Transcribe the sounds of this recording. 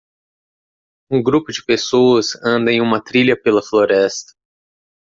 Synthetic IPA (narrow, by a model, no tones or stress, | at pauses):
ũɡɾupʊd͡ʒɪpesowɐzɐ̃nd̪ɐẽj̃ũmɐt̪ɾiʎɐpelɐfloɾɛst̪ɐ̥